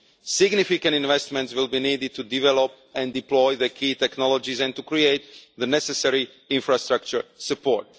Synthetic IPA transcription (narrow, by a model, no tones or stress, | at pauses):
sɪɡnifikãntĩnvɛstmɛ̃ntswɪlˠbiniːdɪd̚t̪udivɛlɔp | ɛ̃ndiplɔjðəkʰiːt̪ɛknɔlɔd͡ʒizɛ̃nt̪ukɹieɪt̪̚ðənɛsɛsɛɹi | ɪ̃nfɹast̪ɹak̚t͡ʃəɹsəpʰɔ̰ɹt